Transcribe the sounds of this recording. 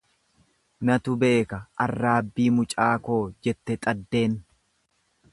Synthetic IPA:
nɐt̪ʊbe̞ːkɐɐrːaːbːiːmʊt͡ʃʼaːko̞ːd͡ʒɛt̪ːɛt̪ʼɐd̪ːe̞ːn

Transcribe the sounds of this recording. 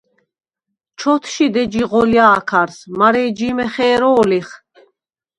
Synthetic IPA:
t͡ʃʰɔt̪ʰʃid̪ɛd͡ʒiʁɔljaːkʰaɾsmaɾɛːd͡ʒimɛχɛːɾɔːliχ

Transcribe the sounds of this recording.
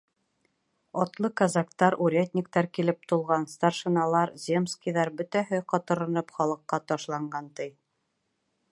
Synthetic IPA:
ɒt̪lˠɤkɐzakt̪ɑɾuɾʲet̪̚ʲnʲik̚t̪ɑɾkilɘp̚t̪ulˠʁɑnst̪arʃɘ̆nɑlˠɑɾzʲemskʲijðɑɾbɵ̆t̪æɦɘqɑt̪ɤ̆ɾɤ̆nɤpχɒlˠɤ̆qːɑt̪ɒʃlˠɑɴɢɑnt̪ɤj

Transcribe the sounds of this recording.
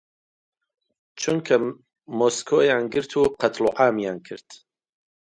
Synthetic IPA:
t͡ʃʰunkʰɐ | moːskʰoːjaːnɡɨɾt̪ʰuːqʰɐt̪ʰluʕaːmjaːnkʰɨ̰ɾt̪

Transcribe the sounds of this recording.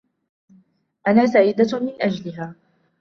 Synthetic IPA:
ʔanaːsaːjɪd̪amɪnʔad͡ʒlɪɦaː

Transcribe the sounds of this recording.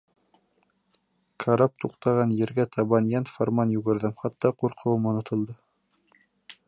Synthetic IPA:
kʰaɾɑp̚t̪uqt̪ɑʁɑnjɘ̆ɾɡæt̪ʰɑβɑnjɑnfoɾmɑnjʉɣɘ̆ɾðɘmχɑt̪ːɑquɾqʰɤ̆wɤmŏnŏt̪ʰɤ̆lˠd̪ɤ

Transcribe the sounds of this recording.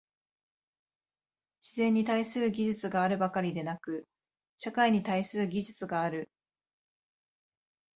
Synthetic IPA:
ɕizẽ̞ɲ̟ːit̪aisɨɾɯ̟ɡʲiʑɨt͡sɨɡaːɾɯ̟bakaɾʲid̪e̞nakɯ̟ | ɕakaiɲ̟it̪aisɨɾɯ̟ɡʲiʑɨt͡sɨɡaːɾɯ̟

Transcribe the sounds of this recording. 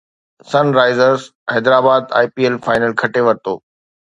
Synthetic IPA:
sɐnɾaːɪzəɾzhɛːd̪ɾaːbaːd̪a̰ːjpiːelfaːɪnəlkʰɐʈeʋɐɾt̪o̰ː

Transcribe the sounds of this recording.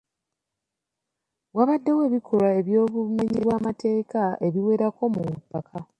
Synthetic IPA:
βwaβadːe̞we̞ːβikʰolae̞βjo̞ːβume̞ɲiβwaːmatʰe̞ːkae̞βiwe̞ːɾako̞mupːakʰa

